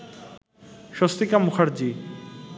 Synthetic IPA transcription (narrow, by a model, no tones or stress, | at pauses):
ʃost̪ikamuxʰaɾd͡ʑi